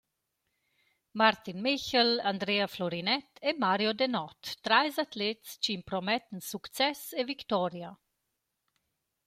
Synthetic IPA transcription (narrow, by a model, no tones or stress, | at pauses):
maɾt̪inmiçəland̪ɾeaflɔɾinɛt̪ʰemaɾjod̪enɔt̪ːɾajzat̪let̪st͡ʃiːmpɾɔmɛt̪nsukt͡sɛsevikt̪ɔɾja